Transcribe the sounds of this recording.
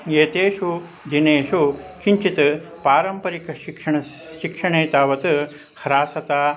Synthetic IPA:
eːt̪eːʂu | d̪ineːʂukiɲt͡ʃit̪ɨ | paːɾɐmpɐɾikɐʃikʂɐɳɐ | ʃikʂɐɳeːt̪aːʋɐt̪ɨ | hɾaːsɐt̪aː

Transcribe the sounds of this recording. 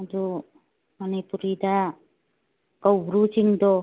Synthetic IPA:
ad̪u | manipuɾid̪a | kawbɾut͡ʃiŋd̪ɔ

